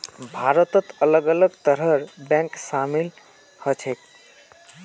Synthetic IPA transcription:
bʱaɾət̪ət̪ələɡələɡt̪əɾɦəɾbɛ̃ksamil | hət͡ʃʰek

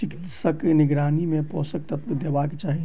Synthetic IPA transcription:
t͡ʃikit̪səknɪɡɾaːnimẽpɔːsək̚t̪ət̪d̪ebaket͡ʃaːɦi

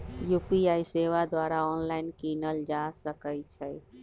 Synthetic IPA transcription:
juːpiaːiseːʋad̪waːɾaɔːnlaɪnkinəld͡ʒasəkəjt͡ʃʰɛ

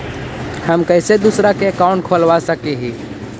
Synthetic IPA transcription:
həmkəɪsed̪usɾakeəkaʊ̃ɳʈ̚kʰoːlʋasəkeɦiː

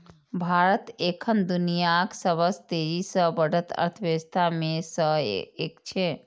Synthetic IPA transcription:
bʱaɾət̪ekʰənd̪unijaksəbəst̪eɾisə̃bəɽ̤ət̪ə̰ɾt̪ʰəʋest̪ʰamesə̃ekt͡ʃʰɛ

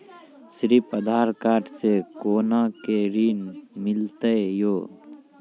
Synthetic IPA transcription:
sɾipəd̪ʱaːɾkaːʈsekoːnakeɾiːnmɪlt̪eejoː

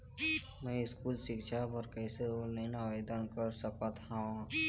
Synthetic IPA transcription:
mɛ̃ɪskuːlʃɪkʃʰapəɾkɛːseoneinaʋeːd̪ənkəɾsəkat̪ʰã

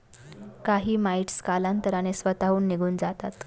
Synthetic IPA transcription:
kaɦiːmaiʈskalant̪əɾanesʋət̪aɦuːnːiɡʱuːnd͡zat̪at̪

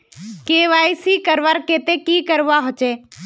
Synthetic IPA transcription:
keʋaːisikəɾʋaɾket̪ekikəɾʋaɦot͡ʃeː

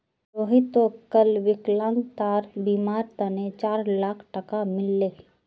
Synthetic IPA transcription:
oːɦit̪okəlʋɪklãːnt̪aːɾbiːmaːɾt̪ənet͡ʃaːɾlaːkʰʈəkamɪlːeː

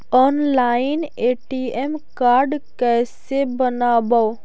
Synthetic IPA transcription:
ɔnlaineʈiemkaɾɖkɛsebənaba

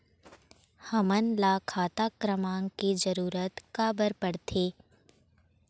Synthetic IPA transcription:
həmənlaːkʰaːt̪akɾəmãːŋkid͡ʒəɾuːɾət̪kaːbəɾpəɽt̪ʰeː

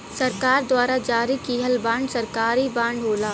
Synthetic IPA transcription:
sɐɾkaːɾd̪waːɾad͡ʒaːɾikiːɦəlbãːɳɖsɐɾkaːɾibãːɳɖɦoːlaː

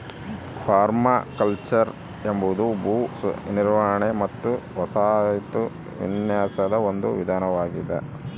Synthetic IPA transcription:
pʰaːɾmakɐlt͡ʃɐɾ | embud̪ubuːniɾʋɐɦɐɳemɐt̪ːuʋɐsaːt̪u | ʋḭnjaːsɐd̪ɐond̪uʋid̪ʱaːnɐʋaːɡid̪ḛ

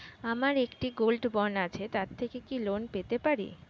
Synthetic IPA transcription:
amaɾekʈiɡolɖbɔnat͡ɕʰet̪aɾt̪ʰekekilonpet̪epaɾḭ

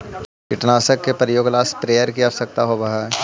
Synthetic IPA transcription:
kɪʈnaːsəkːepəɾjoːɡlaːspɾeːjəɾkiasɐk̚t̪aɦobɐɦa

